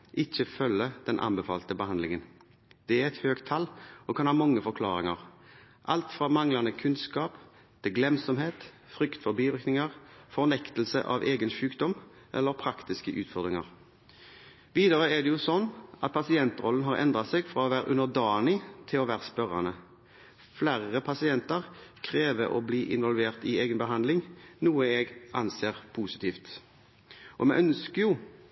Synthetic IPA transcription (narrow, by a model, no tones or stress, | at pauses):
ʔɪçːəfœlːəd̪̥ɛnʔɑ̰nmbəfɑ̰ːlt̪əbəhɑnd̪lɪŋən | d̪̥ɛæʁɛt̪høːɡt̪ʰɑlːɔkʰɑnhɑːmɑŋːəfɔʁkʰlɑːɾɪŋɑ̰ʁ | ʔɑlt̪fʁɑmɑŋlɑnəkʰʉnskɑːp | t̪ʰɪɡlɛmsɔmheːt̪ | fʁʏkt̪fɔɾbiːʋɪʁknɪŋɑʁfɔʁnɛkt̪lsə̰ʔɑ̰ʋeːɡənʃʉːkd̪ɔm | ʔɛ̰lːəɾpʰɾɑkt̪ɪskəʔʉːt̪fɔʁd̪ʁɪŋɑ̰ʁ | ʋiːd̪ɑʁəɛd̪ɛjʊsɔnːʔɑt̪̚pʰɑsɪɛnt̪ʁɔlːən̩ɦɑːʁɛ̰nd̪ʁɑsɛɡfʁɑɔʋæːɾʔʉnəʁd̪ɑːnɪt̪ʰɪlɔʋæːʁəspœʁɑ̰nə | flæʁːəpʰɑsɪɛnt̪əʁkʰʁeːʋəʔo̰ːbliːʔɪ̰nʋɔlʋeːʁt̪ɪeːɡənbəɦɑnd̪lɪŋnuːəɛɡɑnseːʁpʰuːsɪ̥t̪ʰiːft̪ | ʔɔmɛʔœnskəjʊ